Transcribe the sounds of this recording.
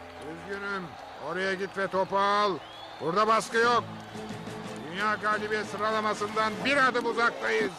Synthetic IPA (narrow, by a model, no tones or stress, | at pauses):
byzɡynym | oɾajaɡʲit̪vɛt̪ʰo̞palˠ | buɾd̪abaskɯjok̚ | d̪ynjaːɡaːd̪ibɛsɯɾalˠamɑsɯnd̪anbiɾad̪ɯbuzak̚t̪ajɯz